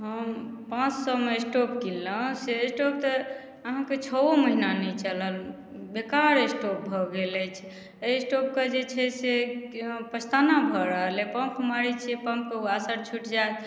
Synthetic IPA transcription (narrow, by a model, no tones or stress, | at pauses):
ɦəmpãt͡ʃsəmesʈopkilːəsesʈop̚t̪ə | əɦãket͡ʃʰɔoməɦinanɛt͡ʃələl | bekaɾesʈop̚bʱɔɡelɛt͡ʃʰɛ̥ | esʈop̚ked͡ʒet͡ʃʰɛse | pət͡ʃʰt̪anabʱəɾəɦlepəmpmaɾit͡ʃʰpəmp̚keuasəɾt͡ʃʰuʈd͡ʒaet̪